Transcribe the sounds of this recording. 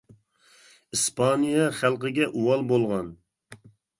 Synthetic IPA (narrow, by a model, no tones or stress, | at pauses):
ispʰɑnijɑχælˠqəɡʲɛʔuwɑlˠbolˠʁɑn